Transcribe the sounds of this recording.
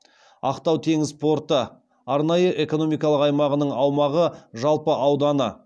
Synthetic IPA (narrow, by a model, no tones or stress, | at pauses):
ɑ̰qt̪ɑwt̪ʰe̞ŋɪzpʰo̞ɾt̪ə | ɑɾnɑjəʔe̞ko̞no̞mijkɑlˠəqɑjmɑʁənəɴɑwmɑʁəʒɑlˠpəʔɑwd̪ɑnə